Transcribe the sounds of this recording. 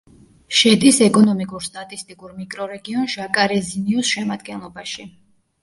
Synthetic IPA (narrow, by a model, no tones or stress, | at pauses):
ʃɛd̪ʼisɛkʼɔnɔmikʼuɾst̪ʼat̪ʼist̪ʼikʼuɾmikʼɾɔɾɛɡiɔnʒakʼaɾɛziniusʃɛmad̪̚ɡɛnlˠɔbaʃi